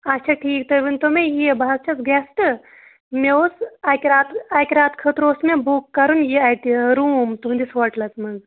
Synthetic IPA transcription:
ɐt͡ʃʰaʈʰiːk̚t̪oʋint̪omejebaɦɐzt͡ʃʰɐsɡesʈɨ | meosakeɾaːt̪akeɾaːt̪kʰət̪ɾoːsmebukːɐɾunjiajt̪iɾuːmt̪uɦũnd̪isʋɐɾʈlɐsmɐz

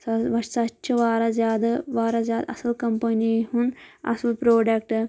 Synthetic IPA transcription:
sɐʋɐʃsɐt͡ʃːt͡ʃʰɐʋaːɾɐzaːd̪ɐʋaːɾɐzaːd̪ɐ̰sɐlkɐmpɐnihunɐ̰sɐlpɾoːɖɐk̚ʈ

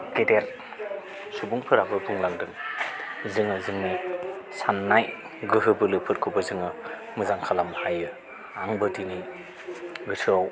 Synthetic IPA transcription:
ɡedeɾ | subuŋpʰɯɾabɯbʰɯŋlaŋdɯŋ | zɯŋɯzɯŋnijsanːaj | ɡɯɦɯbɯlɯpʰɯɾkʰubɯzɯŋɯ | mɯzaŋkʰalamhajɯ | aŋbɯdini | ɡɯtʰɯaw

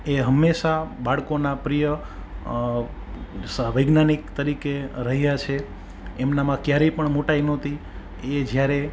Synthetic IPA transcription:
eɦəmːeʃabaɭkonapɾijə | səʋəjɡnanikt̪əɾikeɾəɦjat͡ʃʰe | emnamãkjaɾepəɳmoʈainõt̪ʰi | ed͡ʒjaɾe

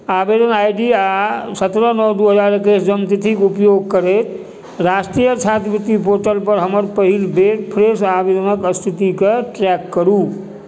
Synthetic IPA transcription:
abed̪ənajɖiasət̪ɾənɔwd̪uɦəd͡ʒaɾekesd͡ʒəmt̪it̪ʰikupjoɡ̚kəɾet̪ | ɾasʈɾijət͡ʃʰat̪ʰbit̪ːipoɾʈəlpəɾɦəməɾpəɦilbeɾpʰɾesabed̪ʱənəkəst̪ʰit̪ikeʈɾɛkːəɾu

